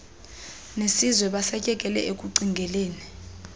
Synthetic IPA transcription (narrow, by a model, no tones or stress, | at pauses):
nesizwɛɓasɛcʼɛkʼɛlɛ̰ʔek̬ʼuǀiŋɡʱɛleːni